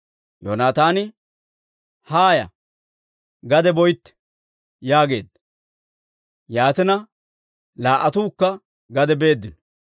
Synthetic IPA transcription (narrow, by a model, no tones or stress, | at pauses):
jonaːt̪aːnɪ | haːjɐ̰ | ɡɐd̪ɛbɔjt̪ːɛ̥ | jaːɡe̞ːd̪ːɐ | jaːt̪ɪnɐ | laːʔɐt̪uːkːɐ | ɡɐd̪ɛbe̞ːd̪ːɪnɔ